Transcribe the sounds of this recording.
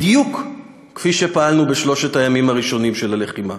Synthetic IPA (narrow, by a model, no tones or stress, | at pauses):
d̪jukː | fiʃe̞paalnubeʃlo̞ʃet̪ajamimaʁiʃo̞nimʃelale̞χima